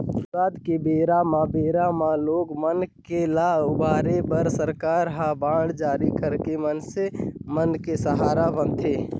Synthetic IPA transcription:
aːt̪kebeɾamãbeɾamãloːɡmənkelaʊbaːɾebəɾsəɾkaːɾɦabãːɽd͡ʒaːɾikəɾkemənsemənkesəɦaːɾabənt̪ʰe

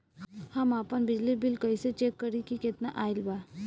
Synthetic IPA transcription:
hamapənbid͡ʑlibilkəiset͡ʃekːəɾikiket̪naʔajlba

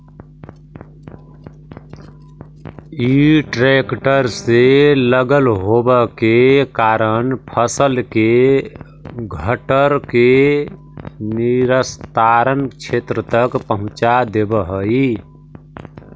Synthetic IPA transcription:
iʈɾekʈəɾseləɡəlɦobəkekaɾənpʰəsəlke | ɡʱəʈəɾke | niɾəst̪aɾənkt͡ʃʰet̪ɾət̪əkpəɦʊ̃t͡ʃad̪ebəɦəi

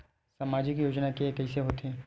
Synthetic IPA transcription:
samaːd͡ʒɪkjoːd͡ʒnakeekɛɪseɦoːt̪eɦɛ̃ː

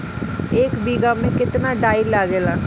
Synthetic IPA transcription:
eːkbiːɡamẽkɪt̪naɖaːilaːɡeːlaː

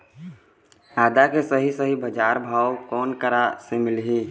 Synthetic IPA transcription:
aːd̪akesəɦisəɦibəd͡ʒaːɾbʱaːwkɔːnkəɾasemɪlɦiː

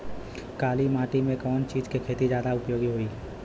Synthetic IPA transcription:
kaːlimaːʈimẽkɔːnt͡ʃiːd͡ʒkekʰeːt̪id͡ʒjaːd̪aʊpjoːɡiɦoiː

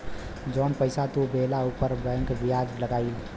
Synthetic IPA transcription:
d͡ʒənpəɪsat̪ubelaupəɾbɛ̃ŋkbiad͡ʒləɡaɪl

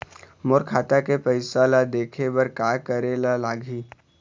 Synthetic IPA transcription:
mʊɾkʰaːt̪akepəɪsalad̪eːkʰebəɾkaːkəɾelalaːɡʱiː

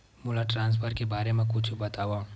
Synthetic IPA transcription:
mulaʈɾãːns̬pʰəɾkebaːɾemẽkʊt͡ʃʰubɐt̪aːʋaũ

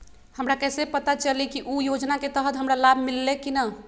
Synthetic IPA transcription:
həmɾakɛsepət̪at͡ʃəlikiʔujod͡ʒnaket̪əɦət̪ɦəmɾalabʱmilːekinə

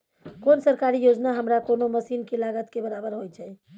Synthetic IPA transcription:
konsəɾkaɾijod͡ʒnaɦəmɾakonoməsinkelaɡət̪kebəɾabəɾɦojt͡ʃʰɛ

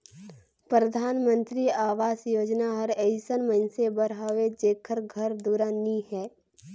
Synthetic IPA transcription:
pɾəd̪ʱaːnmə̃nt̪ɾiaːʋaːzjoːd͡ʒnaɦəɾɛɪsənməɪnsebəɾaːʋed͡ʒeːkʰəɾɡʱəɾd̪uːɾanihɛː

